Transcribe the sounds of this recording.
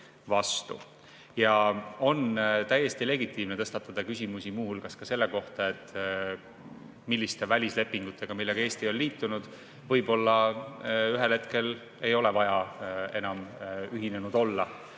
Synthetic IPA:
vɑst̪ṵ | jɑo̞nt̪æjːe̞st̪ile̞ɡit̪ːˑiːmnet̪ɤ̞st̪ɑt̪ːˑɑd̪̥ɑkys̬ʲimusimuːɦulkɑskɑse̞lːe̞ko̞ht̪ɑe̞t̪ˑː | milːist̪e̞vælʲisle̞pːˑiŋɡ̥ut̪ːˑe̞ɡ̥ɑmilːe̞ɡ̥ɑe̞ːst̪io̞lliːt̪ːˑunud̪̥ | vɤjbo̞lːɑ | yɦe̞lhe̞t̪ke̞l | e̞jo̞le̞vɑjɑe̞nɑmyɦine̞nud̪̥o̞lːɑ

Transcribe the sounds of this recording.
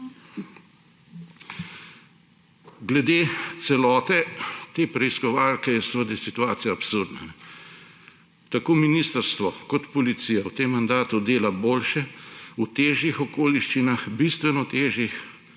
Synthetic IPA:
ɡlɛd̪eːt̪sɛlɔːt̪ɛt̪eːpɾɛiskɔʋaːlkɛjɛsɛʋəd̪ɐjsit̪uaːt̪sijaːpsuɾd̪na̰ | t̪akoːminist̪əɾst̪ʋɔkɔt̪pɔlit̪sijawt̪emːand̪aːt̪ud̪eːlaboːlʃɛut̪eːʒjixɔkoːliʃt͡ʃinaxbist̪ʋɛnɔt̪eːʒjix

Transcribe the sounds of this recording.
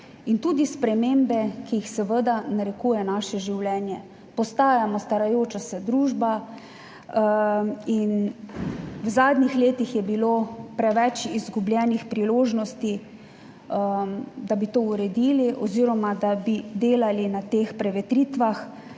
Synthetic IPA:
int̪uːd̪ispɾɛmeːmbɛkijixsɛʋəd̪anaɾɛkuːjɛnaːʃɛʒiwlɛːnjɛ | pɔst̪aːjamɔst̪aɾajoːt͡ʃasɛd̪ɾuːʒba | in | wzaːd̪nixleːt̪ixjɛbiloːpɾɛʋɛt͡ʃizɡublʲjɛːnixpɾiloːʒnɔst̪i | d̪abit̪ouɾɛd̪iːliʔɔziːɾɔmad̪abid̪eːlalinat̪eːxpɾɛʋɛt̪ɾit̪ʋax

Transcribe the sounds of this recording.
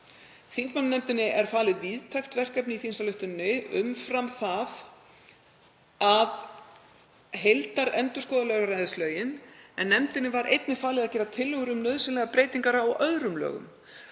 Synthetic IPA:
θint̪manːnɛmt̪ɪnːɪʔɛɾ̥faːlɪðviːðt̪ʰajxt̪vɛr̥kɛp̬nɪiθinsalʏht̪ʏnːʏʏmfɾamθað | að | ɦejlt̪aɾɛnt̪ʏ̥skɔːðalɛɣaɾraːjðɪslœːɥjɪnɛnːɛmt̪ɪnːɪvaɾʔejt̪nɪfaːlɪðaðcɛːɾat̪ʰɪlːœɣʏɾʏmnœːðsɪnlɛɣapɾeːjt̪iŋkaɾaɔʔœðɾʏmlœ̰ːɣʏ̰m

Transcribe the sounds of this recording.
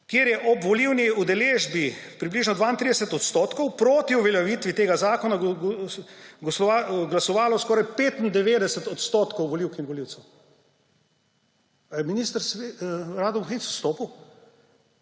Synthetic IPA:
kjeːɾjɛʔɔbʋɔliwniud̪ɛleːʒbipɾibliːʒnɔd̪ʋaːint̪ɾiːd̪ɛsɛt̪ɔt̪st̪oːt̪kɔwpɾoːt̪iuʋɛljaʋiːt̪ʋit̪eːɡazaːkɔna | ɡɔsɔaɡlasɔʋaːlɔskɔːɾajpeːt̪ind̪ɛʋeːd̪ɛsɛt̪ɔt̪st̪oːt̪kɔwʋɔliwkinʋɔliwt̪sɛw | minist̪əɾsʋeɾaːd̪ɔmxinsust̪oːpiw

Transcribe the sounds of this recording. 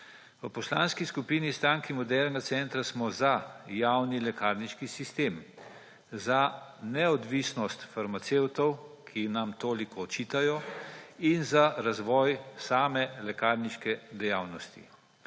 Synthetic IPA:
ʋəpɔslaːnskiskupiːnist̪aːŋkimɔd̪ɛɾnɡat̪sɛnt̪ɾasmɔzajaːwnilɛkaɾniʃkisist̪eːm | zanɛɔd̪ʋisnɔst̪faɾmat̪sewt̪ɔwkʰinamt̪oːlikɔːt͡ʃiːt̪ajɔ | inzaɾazʋɔːjsaːmɛlɛkaːɾniʃkɛd̪ɛjaːwnɔst̪ḭ

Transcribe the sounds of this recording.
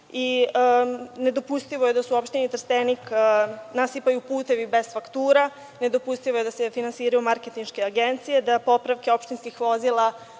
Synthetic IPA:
i | ne̞d̪o̞pust̪iʋoje̞d̪asuopʃt̪init̪r̩st̪eniknasipajupuːt̪e̞ʋibe̞z̥fakt̪uːɾa | ne̞d̪o̞pust̪iʋoje̞d̪asefinansiːɾajumaɾket̪inʃke̞aɡent̪sije̞d̪apo̞pɾaʋke̞o̞pʃt̪inskixʋo̞zilˠa

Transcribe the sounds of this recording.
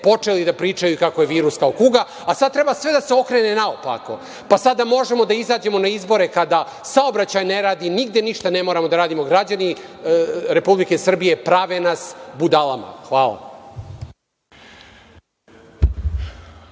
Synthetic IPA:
po̞t͡ʂe̞lid̪apɾiːt͡ʂajukako̞je̞ʋiːɾuskaokuɡa | asad̪̚t̪ɾe̞basʋe̞d̪ase̞o̞kɾenenaopa̰ko̞̰ | pasad̪amo̞ʒemo̞d̪aizaːd͡ʑe̞mo̞naizbo̞ɾe̞kad̪a | saobɾat͡ɕajneɾaːd̪iniɡ̚d̪eniʃt̪ane̞mo̞ːɾamo̞d̪aɾaːd̪imo̞ɡɾad͡ʑani | ɾe̞publike̞sr̩bije̞pɾaʋenasbud̪alˠama̰xʋaːla̰

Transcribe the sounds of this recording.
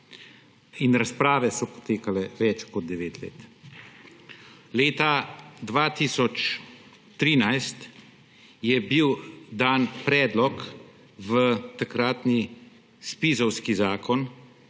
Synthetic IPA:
inɾaspɾaːʋɛsɔpɔ̥t̪eːkalɛʋɛt͡ʃkɔd̪̚d̪ɛʋeːt̪lḛːt̪ | leːt̪ad̪ʋaːt̪iːsɔt͡ʃ | t̪ɾiːnajst̪ | jɛbiwd̪aːnpɾɛːd̪lɔk | ʋət̪akɾaːt̪ni | spiːzɔwskizaːkɔn

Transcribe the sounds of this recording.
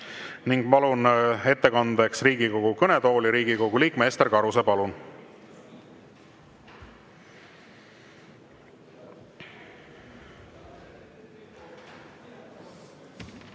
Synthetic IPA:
niŋɡ̥pɑlune̞t̪ːe̞kɑnd̪eksriːɡiko̞ɡ̥ukɤne̞d̪o̞ːliɾiːɡiko̞ɡuliːkˑme̞ːst̪erkɑɾusepɑlun

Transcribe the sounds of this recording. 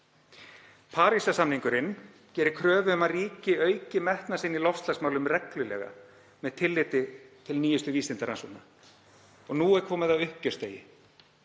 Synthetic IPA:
pʰaːɾisasamniŋkʏɾɪnː | cɛːɾɪ̥kʰɾœːvʏʏmaðriːcɪœːɥcɪmɛht̪nasɪnːilɔfst̪lasmaːwlʏmrɛklʏlɛ̰ːɣa̰ | mɛðt̪ʰɪlːɪt̪ɪt̪ʰɪlniːjʏst̪ʏviːsɪnt̪aɾansɔna | ɔɣnuːɛɾkʰvɔːmɪðawʏhcœ̥st̪eːjɪ

